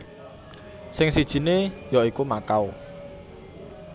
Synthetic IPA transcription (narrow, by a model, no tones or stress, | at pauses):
sɪŋsid̥ʒ̥i̤nejɔikumakaw